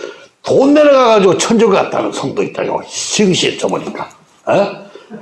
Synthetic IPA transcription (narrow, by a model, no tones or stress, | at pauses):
tonːeɾeɡaɡad͡ʑiɡot͡ɕʰʌnd͡ʑʌɡɯɭkat̚t͈a̰nɯnsʰʌŋdoit̚t͈a̰jo̰ɕʰɯŋɕʰit͡ɕ͈ʌboɲik͈a | je